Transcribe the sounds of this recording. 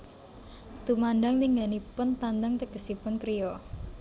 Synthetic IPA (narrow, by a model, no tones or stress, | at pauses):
t̪umanɖaŋliŋɡanipʊnt̪and̪aŋt̪əkəsipʊnkɾijɔ